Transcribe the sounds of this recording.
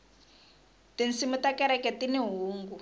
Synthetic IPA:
tin̩simutakɛɾɛkɛtiniɦuːŋɡu

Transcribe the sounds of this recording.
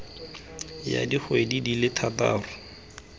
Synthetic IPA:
ja̰diχwedidilɪtʰata̰ːrʊ

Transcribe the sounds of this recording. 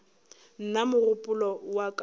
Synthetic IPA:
n̩namʊrʊpʼʊlɔwakʼ

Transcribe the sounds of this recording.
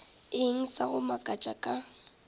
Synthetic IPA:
ɪŋ̩saɣʊmakʼat͡ʃʼakʼa

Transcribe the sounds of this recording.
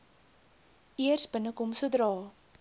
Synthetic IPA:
ʔiərsbənəkɔmsudrɑː

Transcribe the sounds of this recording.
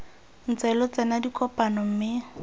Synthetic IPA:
n̩t͡sɛlɔt͡sɛnadikʰʼɔpʼanɔm̩mɪ

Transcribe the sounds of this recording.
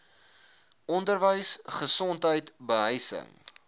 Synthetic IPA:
ʔɔndərvəjsχəsɔntɦəjtbəɦəjsə̰ŋ

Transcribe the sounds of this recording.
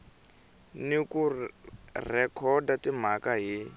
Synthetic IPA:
niku | rɛkʰɔdatim̤akaɦi

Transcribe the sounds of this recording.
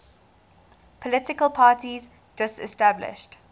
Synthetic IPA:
pʰəlɪtɪkəlˠpʰɑːtiz | d͡ʒʌstɛ̰stæblɪ̰ʃt

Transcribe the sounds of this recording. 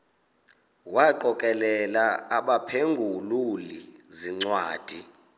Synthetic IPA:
waǃɔkʼɛlɛlaaɓapʰeŋɡʱululiziŋ͡ǀwaːd̥ʱi

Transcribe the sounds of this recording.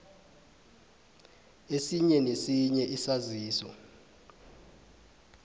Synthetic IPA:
esiɲɛnesiɲɛʔisaziːsɔ

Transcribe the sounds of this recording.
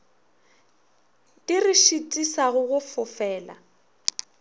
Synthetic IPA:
tʼiriʃitʼisaɣʊɣʊfʊfɛːla̰

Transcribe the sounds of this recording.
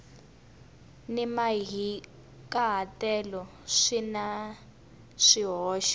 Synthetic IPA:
nɛmaɦi | kʼaɦatɛlɔ | ʂina | ʂiɦɔːʃḁ

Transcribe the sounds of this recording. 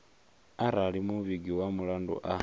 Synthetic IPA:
aɾalimuβiɡiwamulandṵʔa

